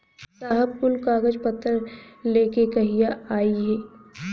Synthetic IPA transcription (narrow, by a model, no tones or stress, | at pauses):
saːɦəb̚pʊlkaːɡəd͡ʒpət̪ːəɾleːkekɐɦijaaːiɦɛː